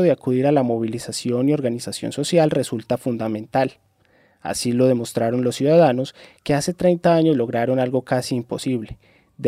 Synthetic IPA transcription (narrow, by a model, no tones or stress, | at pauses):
oðeakuðiɾalamo̞βilisasjo̞nio̞ɾɣanisasjo̞̰nso̞sjalre̞sult̪afund̪amẽ̞nt̪al | a̰silo̞ð̞e̞mo̞st̪ɾaɾo̞nlo̞sːjuðaðano̞ske̞ase̞t̪ɾe̞jnt̪aaɲo̞zlo̞ɣɾaɾo̞nalɡo̞kasiːmpo̞siβle̞̥ | d̪